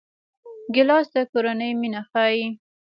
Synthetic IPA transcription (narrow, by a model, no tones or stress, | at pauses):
ɡɪlɑsd̪akoɾanəjminaxɑji